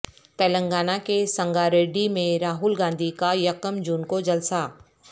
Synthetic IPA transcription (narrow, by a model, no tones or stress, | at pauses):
t̪ɛːlə̃ŋɡaːnakesɐ̃ŋɡaɾeːɖimẽɾaːɦʊlɡãːnd̪ʱikajɐkəmd͡ʒuːnkod͡ʒɐlsaː